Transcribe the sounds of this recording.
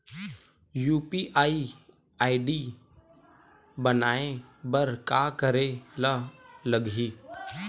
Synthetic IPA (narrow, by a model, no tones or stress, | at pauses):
juːpiʔaːi | aːiɖi | bənaːẽbəɾkaːkəɾelələɡʱiː